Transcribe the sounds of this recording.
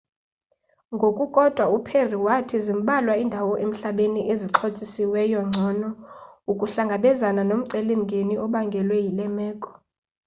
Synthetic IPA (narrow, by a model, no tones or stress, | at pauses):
ŋɡʱokʼukʼɔd̥ʱwaupʰeriwatʰizim̩ɓalwaindʱawɔʔem̩ɬaɓeniʔeziǁʰot͡sʼisiwɛjɔŋ͡ǀʱɔnɔukʼuɬaŋɡʱaɓɛzananom̩ǀelim̩ɡʱeniʔɔɓaŋɡʱɛlwɛjilɛmɛːkʼɔ̥